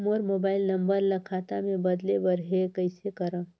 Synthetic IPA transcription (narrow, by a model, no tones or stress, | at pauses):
moɾmoːbaːɪlnəmbəɾlːəkʰat̪amẽbəd̪lebəɾɦekəɪsekəɾə̃